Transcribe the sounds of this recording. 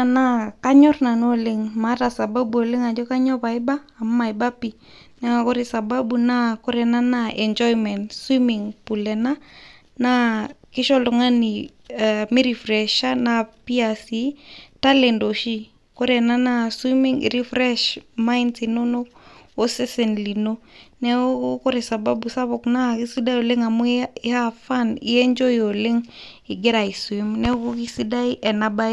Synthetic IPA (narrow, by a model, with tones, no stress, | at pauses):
ana˦ka˦ɲɔ˦ɾna˨no˦lɪŋma˦ta˨sa˨ba˦bu˨o˨lɪ˦ŋa˨d͡ʒɔ˦ka˦ɲɔ˦pa˨ɪ˦baː˦˨mma˨jba˦pi˨ | na˦ŋa˨kɔ˦ɾi˨sa˨ba˦bu˨na˦kɔ˦ɾɛ˨na˦naʔɛ˨nd͡ʒɔ˦jmɛ˨ntswimɪŋpu˨lɛ˨na˦ | na˦kɪ˦ʃɔ˦lɔ˨ŋa˦ni˨ | mi˦ɾi˨fɾɛʃa˦napi˦asitale˨ndo˨ʃi˦ | kɔ˦ɾɛ˨na˦na˦swi˦mi˦ŋḭ˨ɾi˦fɾɛʃma˦inti˨no˦no˦ko˦si˦si˨nli˨no˦nɛ˦oku˦kɔ˦ɾesa˨ba˦busa˦βɔ˨knaki˦si˦da˦jo˨le˦ŋa˨mu˦i˦ha˦fa˦nḭ˦ɛ˦ɲd͡ʒo˦jio˨le˦ŋi˨ɡɛ˦ɾa˨iswimnɛ˦ku˦ki˦si˦da˦iʔɛ˨naba˦